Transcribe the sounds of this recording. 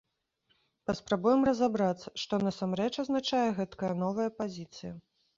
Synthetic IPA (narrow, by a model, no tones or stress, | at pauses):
pɐspɾabujɛmrɐzabɾat̪sːɐ̥ʂt̪ɔnɐsamɾɛt͡ʂɐznat͡ʂajɛɣɛt̪kɐjɐnɔvɐjɐpazʲit̪sɨjɐ